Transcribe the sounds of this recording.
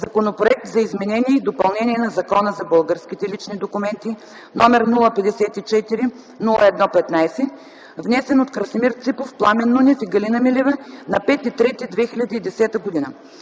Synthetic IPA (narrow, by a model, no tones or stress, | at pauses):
zɐkonopɾoɛk̚t̪zɐizmɛnɛniɛid̪opɐlˠnɛnʲiɛnɐzɐkɔnəzɐbəlˠɡəɾskʲit̪ɛlit͡ʃnid̪okʊmɛnt̪i | nɔmɛɾnulˠəpɛd̪ɛsɛt̪it͡ʃɛt̪iɾi | nulˠəɛd̪nɔpɛt̪najsɛ | vnɛsɛnot̪kɾɐsmiɾt̪sipofplˠamɛnːunʲɛfiɡɐlinɐmilɛvənɐpɛt̪it̪ɾɛt̪id̪vɛxilʲɐd̪iːd̪ɛsɛt̪əɡod̪inə